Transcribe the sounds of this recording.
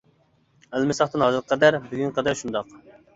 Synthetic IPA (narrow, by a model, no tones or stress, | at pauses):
ælmɪsɑχt̪ɨnhɑzɨɾqʰːɑd̪æɾbyɡʲynqɑd̪ɛɾʃund̪ɑq